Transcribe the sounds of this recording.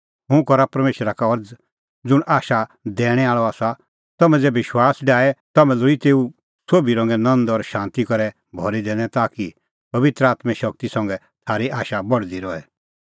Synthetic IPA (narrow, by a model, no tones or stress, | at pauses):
ɦʊ̃kɔɾapɐɾmeːʃɾakaɔɾd͡z | d͡zʊɽ̃ʔaːʃad̪ɛːɽ̃ɛ̃aːɭɔaːsa | t̪ɐmɛ̃d͡zɛːbʋɪʃwaːsɖaːɛt̪ɐmɛ̃lʊit̪eːu | soːbiɾɔ̃ŋɡɛnɐ̃nd̪ɔɾʃãːnt̪ikɔɾɛ | bʱɔɾid̪eːɽ̃ɛ̃t̪aːki | pɐʋɪt̪ɾəaːt̪mɛ̃ʃɐk̚t̪isɐ̃ŋɡɛ | t̪ʰaːɾiʔaːʃabɔɽd̪iɾɔɛ